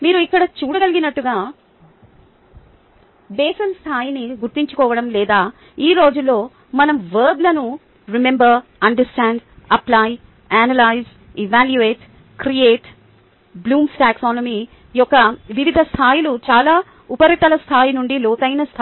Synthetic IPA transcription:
miːɾuikːɐɽɐt͡ʃuːɽɐɡɐliɡinɐʈːuɡaː | bɛːsɐnst̪ʰaːjiniɡuɾt̪iɲt͡ʃu̥kɔːʋɐɽɐmlɛːd̪aː | iːɾo̞ːd͡ʒulːo̞ː | mɐnɐmʋɐɾblɐnu | ɾimembɐɾɐɳɖɐɾsʈaːɳɖɐplaːj | aːnɐlaːjz | iʋaːljuʋeːʈ | kɾieːʈ | bluːmsʈaːksaːnomiː | jɔkːɐʋiʋid̪ʱɐst̪ʰaːjilut͡ʃaːlaː | upɐɾit̪ɐlɐst̪ʰaːjinuɳɖilɔːt̪ɐjnɐst̪ʰ

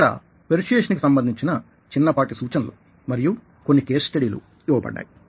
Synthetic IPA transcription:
ɐɽa̰ | peɾiʂʈeːʂɐnkisɐmbɐnd̪ʱiɲt͡ʃinɐ | t͡ʃinːɐpaːʈisuːt͡ʃɐnlo̰ː | mɐɾiju | ko̞nːikeːssʈɐɽiːlṵ | iʋɐbɐ̰ɖːa̰ːji

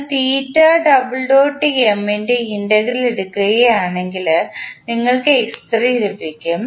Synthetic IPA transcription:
t̪iːtːaːɖɐbɨɭɖoːʈːiemendeinɖɐɡɾileɽukːuɣɐɣeaːɳe̞ŋɡilniŋːɐɭkɨekst̪riiɾupːikʲːum

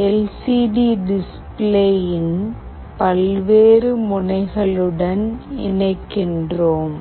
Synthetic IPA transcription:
ɛlsiːɖiːɖɪs | pleːjɪn | pɐlʋeːɾɯmʊnɐɪɣɐɭɯɽɐnɪ̰nɐɪkːɪndroːm

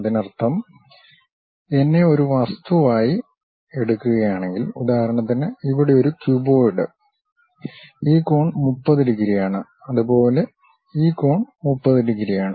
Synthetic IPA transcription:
ɐðinɐrt̪ʰɐm | e̞nːe̞o̞ɾuʋɐst̪uʋaːji | eɽukːuɣɐjaːɳe̞ŋɡilud̪aːɦɐɾɐɳɐt̪̬ːinɨiʋiɽe̞o̞ɾukjubo̞ːjiɖɨ̰ | iːko̞ːɳmupːɐðiɾiɣiɾijaːɳɨ | ɐðupo̞ːle̞ | iːko̞ːɳmupːɐðiɾiɣiɾijaːɳɨ

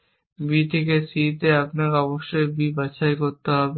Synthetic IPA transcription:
bit̪ʰekesit̪eapneɔboʃebʱibat͡ɕʰaekoɾt̪eɦɔbe

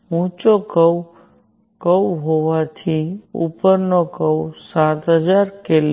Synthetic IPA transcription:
mũt͡ʃokəw | kəwɦoʋat̪ʰiṵpəɾnokəwsãt̪ɦəd͡ʒaɾkel

